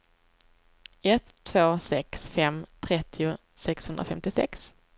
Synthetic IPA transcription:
ɛt̪ʰːvoːsɛksfɛmt̪ʰɾɛt̪ʰːɪʊ | sɛkshɵnd̪ɾa̰fɛmt̪ɪsɛ̰ks

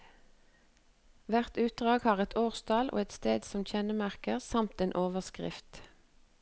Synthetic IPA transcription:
ʋæʁt̪ʉːt̪̚d̪ʁɑːɡhɑːʁɛt̪ʰoːʁst̪ʰɑlʔo̰ːɛt̪st̪eːd̪sɔmçɛnəmæʁkəʁsɑmt̪eːnʔoːʋəʁskʁɪ̰ft̪

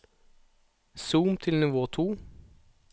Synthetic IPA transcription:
suːmt̪ʰɪlnʊʋoːt̪ʰuː

